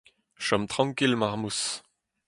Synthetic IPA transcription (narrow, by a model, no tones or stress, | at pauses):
ʃɔmt̪χɑ̃ŋkilmaʁmus